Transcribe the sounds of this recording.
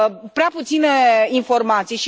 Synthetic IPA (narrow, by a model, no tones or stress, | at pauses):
pɾeaput̪sineinfo̞rmat̪sijʃi